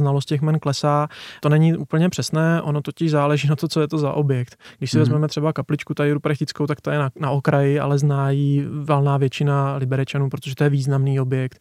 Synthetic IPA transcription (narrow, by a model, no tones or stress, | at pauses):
znalo̞st̪cɛxmɛnklɛsaːt̪o̞nɛɲɪʔuːpl̩ɲɛpr̝̥ɛsnɛːʔo̞not̪o̞cɪʒzaːlɛʒiːnat̪ot͡so̞jɛt̪o̞za̰ʔo̞bjɛkt̪ɡdɪʃsɪvɛzmɛmɛt̪r̥ɛbakaplɪt͡ʃkut̪aɪɾupɾaxt̪ɪt͡skowt̪ak̚t̪ojɛnanaokɾajɪa̰lɛznaːjivɛlnaːvjɛt͡ʃɪnalɪbɛɾɛt͡ʃanuːpɾot̪oʒɛt̪ojɛviːznamniːo̞bjɛk̚t̪